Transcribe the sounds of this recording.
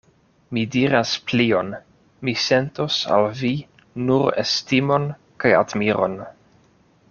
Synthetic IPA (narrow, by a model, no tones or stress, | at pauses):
midiɾasplio̞n | mise̞nto̞sa̰lvi | nuɾḛstimo̞n | kaja̰dmiɾo̞̰n